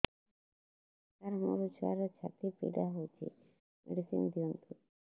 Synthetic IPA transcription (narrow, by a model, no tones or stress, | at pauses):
t̪aɾmo̰ɾut͡ʃʰa̰ɾɔt͡ʃʰa̰t̪ipḭɖaɦot͡ʃʰḭ | mʔḛɖisḭnd̪iɔnt̪u